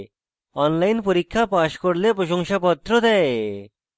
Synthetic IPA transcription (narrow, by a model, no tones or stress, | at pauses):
ɔnlajnpoɾikʰːapaʃkoɾlepɾoʃoŋʃapɔt̪ːɾod̪ɛe